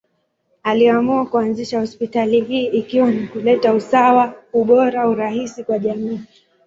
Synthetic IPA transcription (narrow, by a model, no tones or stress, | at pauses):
aliamuakuanziʃahɔspitaliɦiːʔikiwanikulɛtausawauɓɔɾauɾaɦisikwaʄamiː